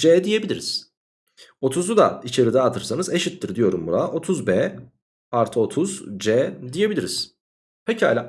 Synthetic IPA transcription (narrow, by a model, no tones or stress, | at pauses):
d͡ʒɛːd̪ije̞bilʲiɾiz̥ | o̞t̪ʰuzud̪a̰it͡ʃʰe̞ɾid̪ɛat̪ʰɯɾsanɯze̞ʃit̪ːiɾd̪ijo̞ɾumbuɾaʔo̞t̪ʰuzbɛː | aɾt̪ʰɯo̞t̪ʰuzd͡ʒɛːd̪ije̞bilʲiɾiz̥ | pʰecʰiha̰lʲa